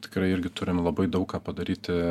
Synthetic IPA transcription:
t̪ʲɪ̥kɾɐɪɪɾʲɡʲɪt̪ʊɾʲɪmlˠɐbɐɪd̪ɐʊkkːɑːpɐd̪ɐɾʲiːt̪ʲɪ

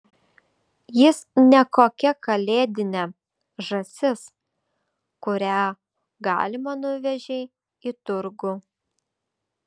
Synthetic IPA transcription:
jɪsnʲɛkoːkʲɛkɐlʲeːd̪ʲɪnʲɛ | ʒɐsʲɪs | kʊɾʲæː | ɡɑ̰ːlʲɪmɐnʊʋʲɛʒʲɛɪ | ɪt̪ʊɾɡʊ

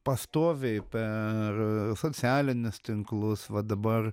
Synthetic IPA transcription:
pɐst̪oːʋʲeɪpʲɛrsoːsʲɪæːlʲɪnʲʊst̪ʲɪŋklˠʊsʋɐd̪ɐbɐr

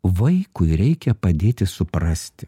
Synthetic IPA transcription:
ʋɐɪkʊɪɾʲɛɪkʲɛpɐd̪ʲeːt̪ʲɪsʊpɾɐsʲt̪ʲɪ̥

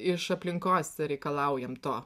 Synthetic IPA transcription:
ɪʃɐpʲlʲɪŋkoːsʲɛɾʲɛɪkɐlˠɐˑʊjɛmt̪oː

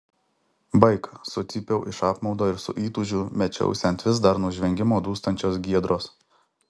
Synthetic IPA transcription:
bɐɪksʊt̪sʲɪpʲɛʊʔɪʃɑːpmɒʊd̪oːɪɾsʊ̰ʔiːt̪ʊʒʲʊmʲɛt͡ʃʲɛ̰ʊsʲɛnʲˑt̪ʲʋʲɪs̬d̪ɐɾnuːʒʲʋʲɛŋʲɡʲɪmoːd̪uːst̪ɐnʲt͡ʃʲoːsɡʲiɛd̪ɾoːs

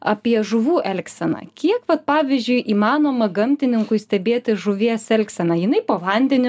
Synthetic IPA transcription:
ɑːpʲiɛʒʊʋuːʔɛlʲksʲɛnɑ̰kʲiɛkʋɐt̪pɑːʋʲɪzʲd͡ʒʲʊɪʔiːmɑːnoːmɐɡɐmʲt̪ʲɪnʲɪŋkʊɪsʲt̪ʲɛbʲeːt̪ʲɪʒʊʋʲiɛsɛlʲksʲɛnɑjɪnɐɪpoːʋɐnʲd̪ʲɛnʲɪ

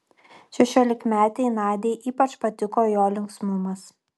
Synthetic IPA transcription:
ʃʲɛʃʲoːlʲɪkmʲæːt̪ʲɛɪnɑːd̪ʲeɪʔiːpɐt͡ʃpɐt̪ʲɪkoːjoːlʲɪŋksmʊmɐs

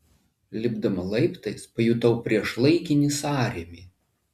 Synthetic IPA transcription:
lʲɪbd̪ɐmɐlˠɐɪpt̪ɐɪspɐjut̪ɐʊpʲɾʲiɛʃlˠɐɪkʲɪnʲɪsɑːɾʲemʲiː

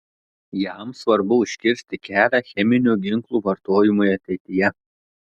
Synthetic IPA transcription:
jɑˑmsʋɐɾbʊʊʃʲkʲɪɾʲsʲt̪ʲɪkʲæːlʲæːxʲɛmʲɪnʲuːɡʲɪŋklˠuːʋɐɾt̪oːjɪmʊjɐt̪ʲɛɪt̪ʲɪjɛ

